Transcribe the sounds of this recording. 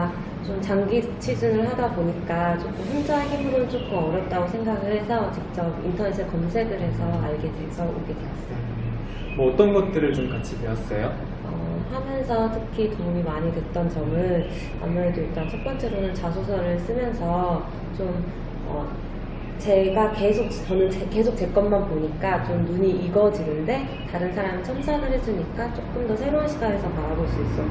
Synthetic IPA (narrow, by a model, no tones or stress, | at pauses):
t͡ɕomt͡ɕaŋɡit͡ɕʰid͡ʑunɯɭhadaboɲik͈at͡ɕokʰumɸind͡ʑʌeçimːuɾɯnt͡ɕ͈ok͈ʰuʌɾjʌt̚t͈aɡosʰe̞ŋɡaɡɯɭhe̞sʰʌt͡ɕik̚t͡ɕ͈ʌbintʰʌnesʰɯkʌmsʰe̞ɡɯɾɦe̞sʰʌaɭɡe̞dwe̞sʰʌoɡe̞dwe̞ʌs͈ɯj | mwʌːt͈ʌnɡʌt̚t͈ɯɾɯɭt͡ɕomkat͡ɕʰibeʌs͈ʌjo | ʌ̰ | hamjʌnsʰʌtʰɯkʰitoŋumimaɲitɯt̚t͈ʌnt͡ɕʌmɯɭ | a̰nːaɾedut͈ʌnt͡ɕʰʌp͈ʌnt͡ɕ͈e̞ɾonɯnt͡ɕasʰosʰʌɾɯɭs͈ɯmjʌnsʰʌ | t͡ɕom | ʌ̰ | t͡ɕe̞ɡake̞sʰok̚t͡ɕʌnɯnt͡ɕeke̞sʰok̚t͡ɕ͈e̞k͈ʌnmanpoɲik͈at͡ɕomnuɲiʔiɡʌd͡ʑinɯnde̞ | taɾɯnsʰaɾamit͡ɕʰʌmsʰanɯɾɦes͈uɲik͈at͡ɕ͈ok̚k͈ɯmdʌsʰe̞ɾoanɕʰiɡane̞sʰʌmaɾaɡois͈uis͈ʌ